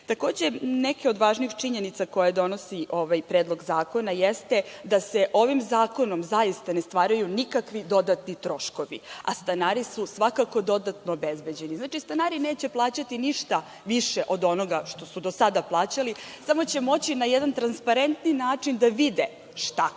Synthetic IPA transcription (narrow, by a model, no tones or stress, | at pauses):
t̪ako̞ːd͡ʑenɛkeod̪ʋaːʒniːxt͡ʃiɲenit̪sako̞jad̪o̞nosiʔo̞ʋajpɾeːd̪lˠo̞ɡzaːko̞najest̪e̞d̪aseʔo̞ʋimzaːko̞nomzajist̪anest̪ʋaːɾajunikakʋid̪o̞d̪at̪nit̪ɾo̞ʃko̞ʋḭa̰st̪anaːɾisusʋakako̞d̪o̞d̪at̪noːbezbe̞d͡ʑe̞niznaːt͡ʃist̪anaːɾineːt͡ɕe̞plˠaːt͡ɕat̪iniʃt̪a | ʋiʃeʔo̞d̪o̞no̞ɡaʃt̪o̞sud̪osad̪aplˠaːt͡ɕalisamo̞t͡ɕe̞mo̞t͡ɕinajɛd̪ant̪ɾanspaɾe̞nt̪ninaːt͡ʂind̪aʋid̪e | ʃt̪a